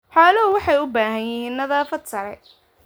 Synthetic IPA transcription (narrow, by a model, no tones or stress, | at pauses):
ħaːlɐɦʊwɑħɑjʊbaːɦɐnjɪɦiːnːɐðaːfɐd̪sɐɾɛ